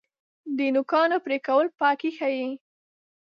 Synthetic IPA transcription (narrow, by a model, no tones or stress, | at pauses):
d̪ənʊkɑnopɾekawəlpɑkixaji